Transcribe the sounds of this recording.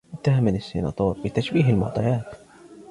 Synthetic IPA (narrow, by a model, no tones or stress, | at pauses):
ɪt̪ːahamɪnasːḭnɑ̰t̪oːɾbɪt̪aʃbiːɦɪlmɑ̰ʕt̪ˤɑjaːt̪